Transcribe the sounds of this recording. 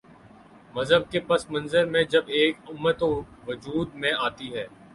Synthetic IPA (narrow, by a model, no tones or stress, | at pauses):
mɐzɦəb̚kepɐsmɐ̃nzəɾmẽd͡ʒɐbeːkʊmːət̪o | ʋʊd͡ʒuːd̪̚mẽaːt̪iɦɛː